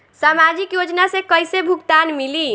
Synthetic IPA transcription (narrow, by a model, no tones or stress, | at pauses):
samad͡ʒikjod͡ʒnasẽkəjsebʱuɡt̪anmili